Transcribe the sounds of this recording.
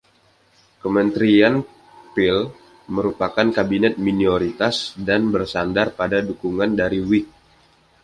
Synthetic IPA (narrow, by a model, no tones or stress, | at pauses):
kəmənt̪ɾian | pɪl | məɾupakankabinɛt̪̚minioɾit̪asdanbərsandarpadadukuŋandaɾiwɪk̚